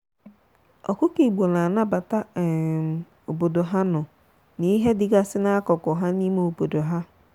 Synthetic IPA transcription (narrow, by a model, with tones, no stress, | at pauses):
ɔ̰˨kʊ˦ki˨ɡ͡bo˨na˨a˨na˦ba˨ta˦˨ | o˨bo˨do˨ɦa˦nʊ˨ | ni˦ɦe˦dɪ˨ɡa˦sɪ˦na˦a˦kɔ˨kʊ˨ɦa˦ni˦me˨o˨bo˨do˨ɦa˦